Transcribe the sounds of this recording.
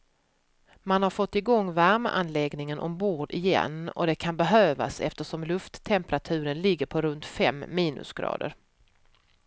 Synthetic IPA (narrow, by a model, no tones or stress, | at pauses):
manhaɾfɔt̪ːɪɡɔŋːvæɾmə̰ʔanlɛɡnɪŋənʔɔmbuːɖɪjɛ̰nːɔ̰d̪ɛkʰanbɛɦøːva̰sɛ̰ft̪əʂɔmlɵft̪ʰːɛmpɾat̪ʰʉ̟ːɾənlɪɡːəɾpʰɔɾɵnt̪fɛmːiːnɵ̰sɡ̥ɾɑ̰ːd̪ə̰ɾ